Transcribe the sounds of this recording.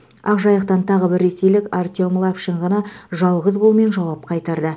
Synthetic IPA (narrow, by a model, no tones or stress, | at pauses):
ɑqʒɑjəq̚t̪ɑnt̪ʰɑʁəbɪɾːe̞se̞jlɪkart̪ʲiomlˠɑpʃɪɴʁɑnɑʒɑlˠʁəzbolˠme̞nʒɑwɑp̚qʰɑjt̪ɑɾd̪ə